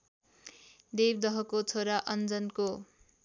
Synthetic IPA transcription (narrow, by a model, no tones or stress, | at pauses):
d̪ebd̪ʌɦʌkot͡sʰoɾaʔʌnd͡zʌnko